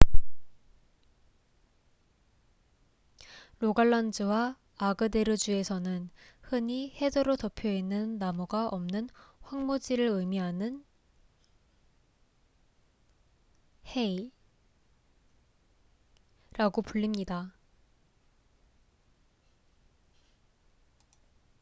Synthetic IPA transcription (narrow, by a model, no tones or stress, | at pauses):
ɾoɡaɭːʌnd͡ʑɯwaː | ɡɯde̞ɾɯd͡ʑue̞sʰʌnɯnhɯɲihe̞d͡ʑʌɾotʌpʰjoinːɯnːamuɡaʔʌmnɯnɸwaŋmod͡ʑiɾɯɾɯjmiɦanɯn | hei | ɾaɡopuʎːimɲida